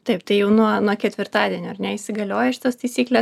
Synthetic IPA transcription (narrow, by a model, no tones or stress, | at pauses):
t̪ɐɪpt̪ɐɪjɛʊnuɔnuɔkʲɛt̪ʲʋʲɪrt̪ɑːd̪ʲiɛnʲoːɐɾnʲɛɪsʲɪɡɐlʲoːjɛʃʲɪ̥t̪oːst̪ɐɪsʲiːklʲe